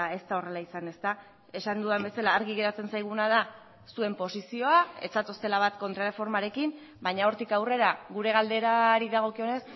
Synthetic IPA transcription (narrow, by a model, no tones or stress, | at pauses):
e̞st̪ao̞re̞laisane̞st̪a | e̞sand̪uðambe̞salaːɾɣiɣe̞ɾat͡se̞nsajɣ̞unað̞a | sue̞mpo̞sisio̞ae̞̰t͡sat̪o̞st̪e̞laβat̪ko̞nt̪ɾaɾrefo̞ɾmaɾe̞kim | baɲao̞ɾt̪ikawre̞ɾaɣuɾe̞ɣ̞ald̪e̞ɾaɾiðaɣ̞o̞kio̞ne̞s